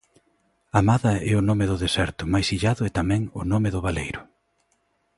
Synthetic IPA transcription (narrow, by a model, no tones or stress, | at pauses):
amaðɐɛʊnomeðʊðesɛɾt̪ʊmajsiʎaðʊɛt̪amɛ̃ŋʊ̰nomɪðʊβ̞alejɾʊ